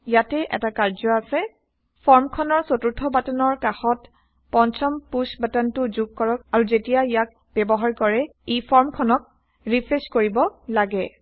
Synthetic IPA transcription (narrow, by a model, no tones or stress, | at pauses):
jatɛʔɛ̰takaɹzɔasɛ | pʰɔɹmkʰɔnɔɹsotuɹtʰɔbatɔnɔɹkaxɔt | pɔnt͡ʃʰɔmpusbatantʊzuɡ̚kɔɹɔkaɹuzetijaijak̚ | b̥ɛbɔɦaɹkɔɹɛipʰɔɹmkʰɔnɔk̚ | ɹipʰɹeskoɹibɔlaɡɛ